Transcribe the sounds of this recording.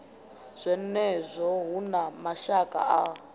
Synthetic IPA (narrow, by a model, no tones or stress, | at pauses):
z̥ʷɛnɛzʷɔɦunamaʃakʼa̰ʔa